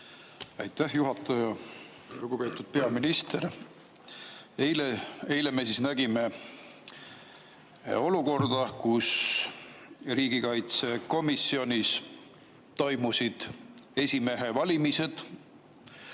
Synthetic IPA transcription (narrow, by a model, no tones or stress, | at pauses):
ɑjt̪ːæhjuɦɑt̪ːˑɑjɑ | luɡ̥upe̞ːt̪ud̪̥̚pe̞ɑminist̪eɾ | ejlee̞jle̞me̞sisnæɡime̞ | o̞luko̞rd̪̥ɑkus | riːɡ̥ikɑjt̪se̞ko̞misio̞nʲis | t̪o̞jmusid̪̥e̞sʲime̞ɦe̞vɑlʲimise̞d̪̥